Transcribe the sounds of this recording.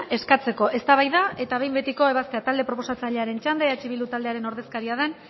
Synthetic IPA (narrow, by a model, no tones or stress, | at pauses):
e̞skat͡se̞ko̞ʔe̞st̪aβajðaʔe̞t̪aβe̞jmbe̞t̪iko̞e̞β̞ast̪e̞at̪ald̪e̞pɾo̞po̞sat͡saʎe̞aɾe̞nt͡ʃand̪eat͡ʃiβild̪ut̪ald̪e̞aɾeno̞ɾðe̞skaɾiaðe̞n